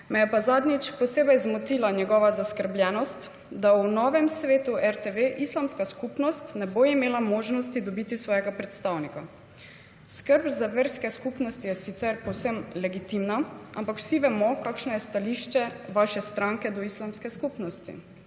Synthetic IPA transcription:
mɛjɛpazad̪nit͡ʃpɔseːbɛjzmɔt̪ilaɲɛɡɔʋazaskəɾbljɛːnɔst̪ | d̪awnɔːʋɛmsʋeːt̪uɛɾt̪eʋeʔislamskaskupnɔst̪nɛboimeːlamɔːʒnɔst̪id̪ɔbit̪isʋɔːjɛɡapɾɛt̪st̪awnika | skəɾbzaʋeɾskɛskupnɔst̪ijɛsit̪sɛɾpɔwsəmlɛɡit̪imnaʔampakw̥siʋɛmɔkaːkʃnɔjɛst̪aliʃt͡ʃɛʋaʃɛst̪ɾaŋkɛd̪ɔislamskɛskupnɔst̪ḭ

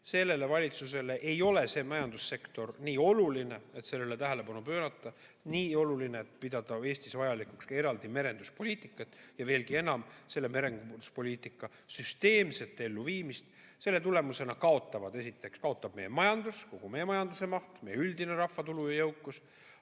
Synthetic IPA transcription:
se̞lːe̞le̞vɑlʲit̪suse̞le̞ʔe̞jo̞le̞se̞ːmɑjɑnd̪̥usːe̞kt̪o̞rniːo̞luline̞et̪se̞lːelet̪æɦæle̞pɑnupøːɾɑt̪ːˑɑ | niːo̞lulineet̪ːpid̪̥ɑd̪̥ɑe̞ːst̪isvɑjɑlikˑukse̞ɾɑld̪ime̞ɾe̞nd̪̥uspo̞lʲiːt̪ˑikːˑɑt̪ːˑjɑve̞ːlkie̞nɑmse̞lːe̞me̞ɾe̞nɡu̥uspo̞lʲiːt̪ˑikːˑɑ | syst̪e̞ːmse̞t̪ːˑe̞lːuviːmist̪ | se̞lːe̞t̪ule̞muse̞nɑkɑo̞t̪ˑːɑvɑd̪e̞s̬it̪ːˑe̞kskɑo̞t̪ːˑɑb̥̚me̞jemɑjɑnd̪usko̞ɡ̥umejemɑjɑnd̪use̞mɑht̪mejyld̪ine̞ɾɑfːɑt̪ulujɑjɤ̞wkːˑus

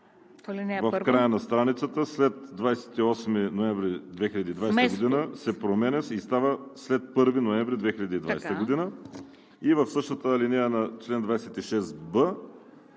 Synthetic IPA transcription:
lnvəfkɾajənɐst̪ɾanit̪sət̪əslɛt̪d̪vajsɛ̥t̪iɔsminoɛɱvɾid̪vɛxilʲɐd̪iːd̪vajsɡod̪inəsɛpɾomɛnɛsist̪avəslɛt̪̚pɤɾvinoɛ̃mvɾid̪vɛxiʎʲɐd̪iːd̪vajst̪əɡod̪inə | ivəfsɤʃt̪ət̪əlinijənɐt͡ʃlɛnd̪vajsɛt̪iʃɛsbə

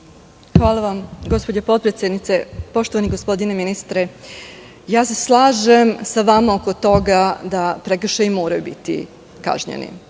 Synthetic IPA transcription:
xʋaːlˠaʋamɡo̞spo̞d͡ʑepo̞t̪̚pɾet̪sjed̪nit̪se̞po̞ʃt̪o̞ʋaniɡo̞spo̞d̪ineminist̪ɾe | jaːse̞slˠaːʒemsaʋamaoko̞t̪o̞ɡad̪apɾekr̩ʃeimo̞ːɾajubit̪ḭ | ka̰ʒɲḛnḭ

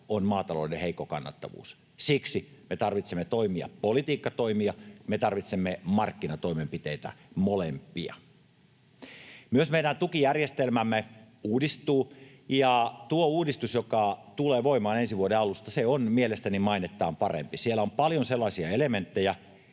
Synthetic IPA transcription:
onmɑːt̪ɑlo̰ˑdeheikːˑokɑ̰nːɑ̰t̪ːɑ̰ʋṵːs | siksimet̪ɑrʋit̪semːet̪oimiɑ̰polit̪iːkːɑt̪oimiɑmet̪ɑrʋit̪semːemɑrkːinɑt̪oimempit̪eit̪æ̰molempːˑḭɑ̰ | myøsmeidænt̪ukijærjest̪elmæmːe | uːdist̪uː | jɑt̪uouːdist̪usjokɑt̪uleːʋoimɑːnensiʋuodeɑlust̪ɑseonmielest̪ænimɑinet̪ːˑɑːmpɑrḛmpisielːˑæompɑljonselːɑisiɑelement̪ːejæ

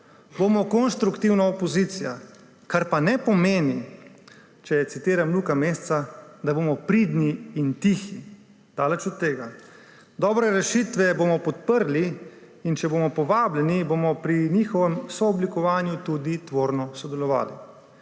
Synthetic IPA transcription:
bomɔkɔnʃt̪ɾukt̪iwnaopɔzit̪sija | kaɾpanɛpɔmeːni | t͡ʃɛsit̪iːɾamluːkameːst̪sad̪aboːmɔpɾid̪niːnt̪ixi | d̪̥aːlɛt͡ʃɔt̪̚t̪ːeːɡa | d̪ɔːbɾɛɾɛʃit̪ʋɛboːmɔpɔt̪̚pəɾliː | nt͡ʃɛbomɔpɔʋaːblɛniboːmɔpɾinixɔʋɛmsɔːblikɔʋaːnjut̪ud̪it̪ʋoːɾnɔsɔd̪ɛlɔʋa̰ːlḭ

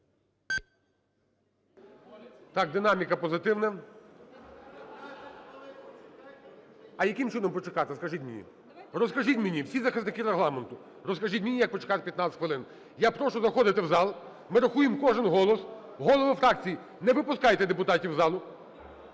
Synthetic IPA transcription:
t̪ɑk̚d̪ɪnɑmʲikɐpɔzɪt̪ɪwnɐ | ɐjɐkɪmt͡ʃɪnɔmpɔt͡ʃekɑt̪ɪskɐʒitʲmʲɪnʲḭ | rɔskɐʒitʲmʲɪnʲiwsʲizɐxɪznɪkɪɾeɦlˠɑment̪ʊ | ɾɔskɐʒitʲmʲinʲijɐk̚pɔt͡ʃe̥kɑt̪pʲjɐt̪nɑt̪ʲɪt̪ʲxʋɪlˠɪn | japɾɔʃɔzɐxɔd̪ɪt̪ɪwzɑlˠ | mɪɾɐxujɪmkɔʒɪnɦɔlˠɔs | ɦɔlˠɔʋɪfɾɑk̚t͡sʲiji | nɛʋɪpʊskɑjt̪ɛd̪epʊt̪ɑtʲiwzɑlˠʊ

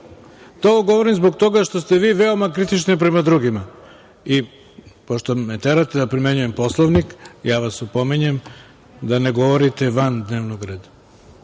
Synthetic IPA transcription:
t̪ooɡo̞ʋoɾimzbo̞ɡ̚t̪o̞ɡaʃt̪ost̪eʋiːʋeomakɾit̪it͡ʃnip̬ɾe̞mad̪ɾuɡima | i | poʃt̪omet̪eɾat̪ed̪apɾime̞ɲuje̞mpo̞slˠoʋnikjaːʋasupomiɲem | d̪aneɡo̞ʋoɾit̪eʋand̪neːʋnoɡɾeːd̪a

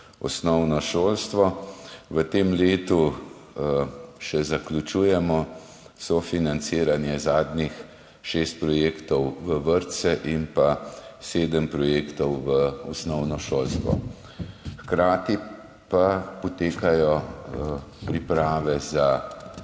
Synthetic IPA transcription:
ɔ̰snɔwnɔʃoːlst̪ʋɔʋət̪emleːt̪u | ʃɛzaklʲut͡ʃuːjɛmɔ | sɔfinant̪siːɾanjɛzaːd̪̚nix | ʃeːst̪̚pɾɔjeːkt̪ɔwʋəʋəɾt̪sɛʔinpaseːd̪əmpɾɔjeːkt̪ɔwʋəɔsnɔwnɔʃoːlst̪ʋɔ̰ | xkɾaːt̪i | papɔt̪eːkajɔ | pɾipɾaːʋɛza

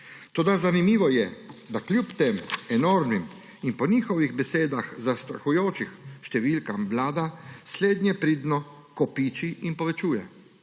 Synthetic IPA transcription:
t̪oːd̪azanimiːʋɔjɛd̪aklʲjupt̪emɛnoːɾmim | inpɔniːxɔʋiɣbɛseːd̪axzast̪ɾa̰xujoːt͡ʃixʃt̪ɛʋiːlkamblaːd̪asleːd̪nʲjɛpɾiːd̪nɔ | kɔpiːt͡ʃiinpɔʋɛt͡ʃuːjɛ

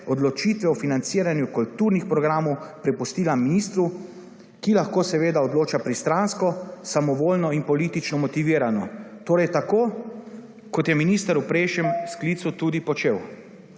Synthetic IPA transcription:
ɔd̪lɔt͡ʃiːt̪ʋɛwfinant̪siːɾanjukult̪uːɾnixpɾɔɡɾaːmɔwpɾɛpust̪iːlaminist̪ɾu | kilaxkoːsɛʋeːd̪aɔd̪loːt͡ʃapɾist̪ɾanskɔsamɔʋoːlnɔinpɔliːt̪it͡ʃnɔmɔt̪iʋiːɾanɔt̪oːɾɛjt̪akoː | kɔt̪jɛminiːst̪aɾupɾeːʃjɛmskliːt̪sut̪ud̪ipɔt͡ʃew

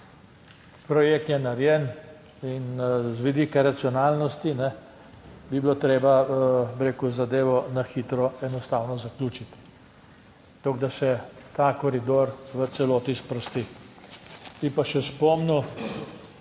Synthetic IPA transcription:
pɾɔjeːk̚t̪jɛnaɾjɛn | inzʋid̪iːkaɾat̪sijɔnaːlnɔst̪inɛ | bibilot̪ɾeːbabiɾeːkuzad̪eːʋɔnaxiːt̪ɾɔɛnɔst̪awnɔzaklʲuːt͡ʃit̪ | t̪oɡd̪asɛt̪aːkɔɾid̪oːɾʋət̪sɛloːt̪ispɾɔst̪i | bipaʃɛspɔmnu

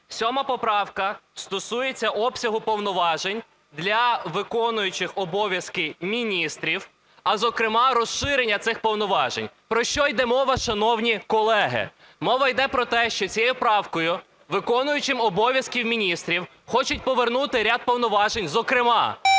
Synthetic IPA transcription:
sʲɔmɐpɔpɾɑwkɐst̪ɔsujet͡sʲːɐʔɔpsʲɐɦʊpɔwnɔʋɑʒenʲ | d̪lʲɐʋɪkɔnʊjʊt͡ʃɪxɔbɔʋʲjɐskɪmʲinʲist̪ɾʲiw | ɐzɔkɾɪmɑɾɔsʃɪɾenʲːɐt̪sɪxpɔwnɔʋɑʒenʲpɾɔʃt͡ʃɔjd̪ɛmɔʋɐʃɐnɔwnʲikɔlˠɛɦɪ̰ | mɔʋɐjd̪ɛpɾɔt̪ɛʃt͡ʃɔt͡sʲijɛjʊpɾɑwkɔjʊ | ʋɪkɔnʊjʊt͡ʃɪmɔbɔʋʲjɐskʲiwmʲinʲist̪ɾʲiw | xɔt͡ʃʊtʲpɔʋernut̪ɪɾʲad̪̚pɔwnɔʋɑʒenʲzɔkɾɪmɑ̰

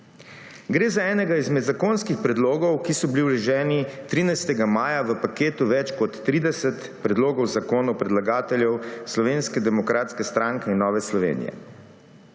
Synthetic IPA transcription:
ɡɾeːzaɛːnɛɡaizmɛd̪zakoːnskixpɾɛd̪loːɡɔwkisɔbiliwlɛʒɛːnit̪ɾiːnajst̪ɛɡamaːjaʋəpakeːt̪uʋɛt͡ʃkɔt̪ːɾiːd̪ɛsɛt̪ | pɾɛd̪loːɡɔwzakoːnɔwpɾɛd̪laɡaːt̪ɛljɛwslɔʋeːnskɛd̪ɛmɔkɾaːt̪skɛst̪ɾaŋkɛinːɔːʋɛslɔʋḛːnḭjɛ̰

